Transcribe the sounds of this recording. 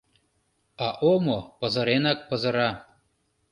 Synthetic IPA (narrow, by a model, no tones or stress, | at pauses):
ɑʔomopɤ̆zɤ̆ɾenɑk̚pɤ̆zɤ̆ɾɑ